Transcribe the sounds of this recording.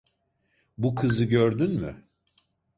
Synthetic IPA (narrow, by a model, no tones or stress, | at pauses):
bukʰɯzɯɟøɾd̪ynmy